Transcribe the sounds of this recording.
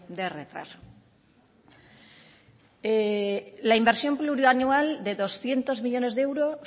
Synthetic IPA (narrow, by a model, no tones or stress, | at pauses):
d̪eret̪ɾa̰so̥ | elaimbe̞ɾsjo̞mpluɾjuanuald̪eðo̞sθje̞nt̪o̞zmiʎo̞ne̞zðeewɾo